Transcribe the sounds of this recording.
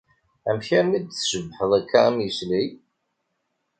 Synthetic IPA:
æmçæɾnid̪θʃəbːħəðˤækːaæmjəsli

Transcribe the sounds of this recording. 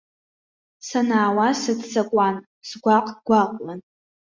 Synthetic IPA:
sanaːwasɨdt͡sʰʼakʷʼan | sɡʷaqʼɡ̥ʷaqʼlan

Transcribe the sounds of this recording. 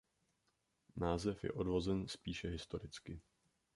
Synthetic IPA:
naːzɛfjɛ̰ʔo̞dvo̞zɛnspiːʃɛɦɪst̪o̞ɾɪt͡skɪ

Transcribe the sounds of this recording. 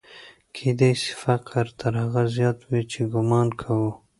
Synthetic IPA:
kʰed̪ejsfaqɾt̪əɾhaɣazjɑːt̪wit͡ʃeɡʊmɑnkʰawu

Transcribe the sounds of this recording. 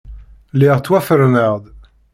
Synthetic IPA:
lɛʁt̪wafəɾnaʁd̪

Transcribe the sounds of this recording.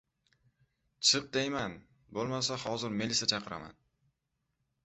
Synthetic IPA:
t͡ʃʰɨq̚d̪ejman | bolˠmasahɒzɪɾmelisat͡ʃʰɑqʰɨɾa̰ma̰n

